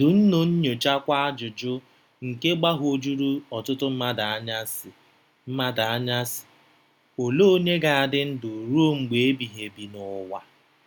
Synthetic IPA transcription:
dʊ˨n̩˦no˨n̩˦ɲo˨d͡ʒa˦kʷa˦a˦d͡ʒʊ˨d͡ʒʊ˦ | ŋ̩˨ke˦ɡ͡ba˦ɦo˦d͡ʒu˦ɾu˦ɔ˨tʊ˦tʊ˦m̩˦ma˦da˨a˦ɲa˦s | m̩˦ma˦da˨a˦ɲa˦sɪ̥˨ | o˨lo˦ɲe˦ɡa˨a˨dɪ˦n̩˦dʊ˨ɾu˦o˦ŋ͡m̩˨ɡ͡be˨e˦bi˨ɦe˨bi˨nʊ˦wa˦

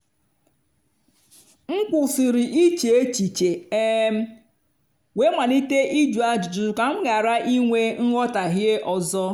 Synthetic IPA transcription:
ŋ̩˦k͡pʊ˨sɪ˨ɾɪ˨ʔi˦t͡ʃe˨e˦t͡ʃi˨t͡ʃe˨e˦m̩˦ | we˦mʷa˨ni˦te˦ʔi˦d͡ʒu˨a˨d͡ʒʊ˨d͡ʒʊ˨ʊ˨ka˨m̩˦ɡa˨ɾa˦ʔi˦ŋʷe˦n̩˦ɣɔ˦ta˨ɦje˦ʔɔ˨zɔ˦

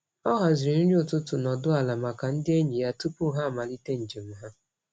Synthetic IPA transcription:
ɔ˦ɦa˨zɪ˨ɾi˨ni˦ɲ˦ʊ˨tʊ˦tʊ˨nɔ˨dʊ˦a˨la˨ma˨ka˨n̩˦dɪ˦e˦ɲi˨ja˦tu˦pʊ˦ɦa˦˨ma˨li˦te˦n̩˨d͡ʒe˨m̩˦ɦa˦

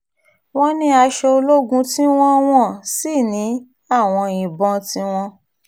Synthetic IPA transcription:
w̃ɔ̃˦nĩ˦a˧ʃɛ˧o˧lo˦ɡũ˧˦ti˦w̃ɔ̃˦w̃ɔ̃˦˨si˦˨nĩ˨˦ | a˦˨w̃ɔ̃˧ĩ˨bɔ̃˧tĩ˧˦w̃ɔ̃˧

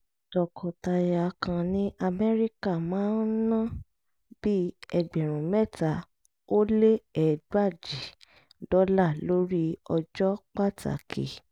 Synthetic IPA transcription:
d̥ɔ˨kʰɔ˨ta˨˧ja˨kʰã˧nĩ˦ʔa˧mɛ˦ɾi˦ka˦˨mãː˨˦nnã˦ | b̥i˦ɛ˧ɡ͡bɛ˨ɾ̃ũ˨mɛ˦˨ta˨˦ | o˦le˦ɛ˨dwa˦˨d͡ʒi˨ | dɔ˨˦la˦˨lo˨˦ɾi˦ɔ˧d͡ʒɔ˦k͡pa˦˨tʰa̰˨kʰḭ˨

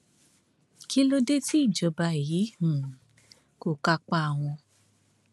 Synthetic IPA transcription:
ki˦lo˦de˦ti˦i˦˨d͡ʒɔ˨˧ba˧˨ji˨˦hũ˨ | ko˨ka˧k͡pa˧a˨w̃ɔ̃˧

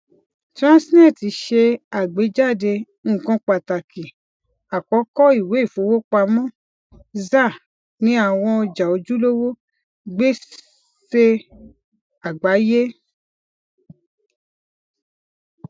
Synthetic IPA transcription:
tɾã˦snɛ̃˦˨ti˨˦ʃe˧a˨ɡ͡be˨˦d͡ʒa˦˨de˧ | ŋ̩˦˨kɔ̃˧k͡pa˨ta˨ki˨ | a˨kɔ˨˦kɔ˦i˦˨we˨˦i˦˨fo˨˦wo˦k͡pa˧mɔ̃˦ | za˦˨ | nĩ˨˦a˦˨w̃ɔ̃˧d͡ʒa˨o˨˧˦d͡ʒu˦lo˦wo˦ | ɡ͡be˦ | se˧ | a˨ɡ͡ba˨˦je˦

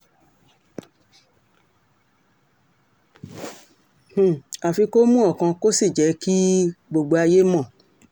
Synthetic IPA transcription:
h̩˨a˨fi˧ko˦mũ˦ɔ˦˨kã˧ko˦si˦˨d͡ʒɛ˨˦ki˦ɡ͡bo˨ɡ͡bo˧a˧je˦mɔ̃˦˨

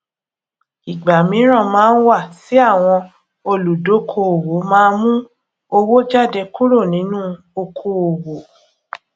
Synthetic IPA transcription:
i˨ɡ͡ba˨mĩ˨˦ɾ̃ã˦˨mãː˨˦n̩˦wa˦˨si˨˦a˦˨w̃ɔ̃˧ | o˧lu˨do˨˦kʰo˧˨o˨wo˨˦mãː˦˧˦mũ˦ | o˧wo˦d͡ʒa˦˨de˧ku˦ɾo˦˨nĩ˨˦nũ˦ | o˧kʰo˧o˨wo˨˦

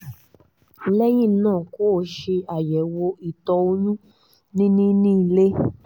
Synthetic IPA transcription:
lɛ˦j̃ĩ˦˨˦nãː˦˨ko˨˦˨ʃe˧a˨jɛ˨˦wo˧i˨tɔ˧o˧nũ˦ | nĩ˦nĩ˦nĩ˦˧˨le˦

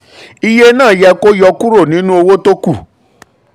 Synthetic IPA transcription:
i˧je˦nãː˦˨jɛ˧ko˦jɔ˧ku˦ɾo˦˨nĩ˨˦nũ˦o˧wo˦to˦ku˦˨

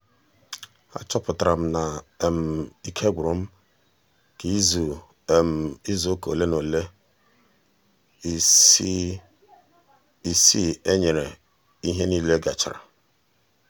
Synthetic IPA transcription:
a̰˦t͡ʃɔ˦pʊ˨ta˨ɾa˨m̩˦na˨m̩˨i˦kʰe˦ɡʷɾo˨m̩˦ | ki˦z | i˦zo˨˦ko˨le˦no˨le˦ | i˨si˦e˦ɲe˨ɾe˨ | i˦ɦe˦niː˦le˦ɡa˨t͡ʃɪ̰˨ɾa̰˨

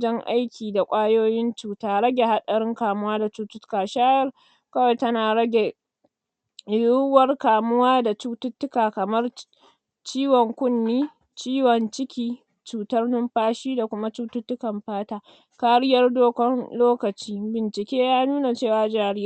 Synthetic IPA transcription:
d͡ʒɐ˦ŋʔa˦jkʲʰiː˨da˨kʷʼaː˦joː˦jɪ˦nt͡ʃuː˨taː˦ɾɐ˦ɡʲe˨ha˦ɗɐ˨ɾɪ˦ŋkaː˨mʊ˦waː˦da˨t͡ʃuː˦tʊ˦tʊ̥˦kaː˨ʃaː˦jɐ˦r | kɐ˦wa˨jtɐ˦naː˨ɽɐ˦ɡʲe˨ | ju˦wɐ˦rkaː˨mʊ˦waː˦da˨t͡ʃuː˦tʊ˦tːʊ˦kaː˨kɐ˨mɐ˦r | t͡ʃiː˦wɔ˨ŋkʷʊ˦nːiː˦ | t͡ʃiː˦wɔ˨nt͡ʃɪ˦kʲiː˦ | t͡ʃuː˨tɐ˦rnʊ˦mɸaː˦ʃiː˦da˨kʷʊ˦ma˦t͡ʃuː˦tʊ˦tːʊ˦kɐ˨mɸaː˦taː˦ | kaː˦ɽɪ˦jɐ˦rdoː˦kʷɔ˦nloː˦kɐ˨t͡ʃiː˦bɪ˨nt͡ʃɪ˨kʲeː˦jaː˦nuː˦na˨t͡ʃeː˦˨waː˨d͡ʒaː˦ɽɪ˦a˦˨

